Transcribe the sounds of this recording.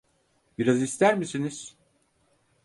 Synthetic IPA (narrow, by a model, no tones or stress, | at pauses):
b̥iɾazist̪ʰæɾmisiniz̥